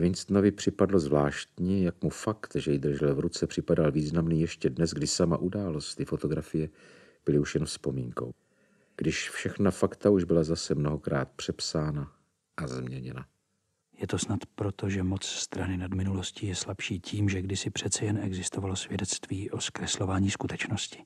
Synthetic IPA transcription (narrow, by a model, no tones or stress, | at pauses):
vɪnst̪novɪpr̥ɪpadlo̞zvlaːʃt̪ɲɛjakmufakt̪ʒɛjɪd̪r̩ʒɛlɛvɾut͡sɛpr̝̥ɪpadalviːznamniːjɛʃcɛdnɛzɡdɪsama̰ʔudaːlo̞st̪ɪfo̞t̪o̞ɡɾafɪjɛ | b̥ɪlɪuʃjɛnfspo̞miːŋko̞̰w | ɡ̥dɪʃfʃɛxnafakt̪auʒbɪlazasɛmno̞ɦo̞kɾa̰ːt̪̚pr̝̥ɛpsaːna | ʔazmɲɛɲɛna̰ | jɛt̪o̞snat̪pɾot̪oʒɛmot͡sst̪ɾanɪnadmɪnulo̞scijɛslapʃiːciːmʒɛɡdɪsɪpr̝̥ɛt̪t͡sɛjɛnɛɡzɪst̪ovalosvjɛdɛt͡st̪viːʔoskɾɛslo̞vaːɲiːskut̪ɛt͡ʃnoscɪ̥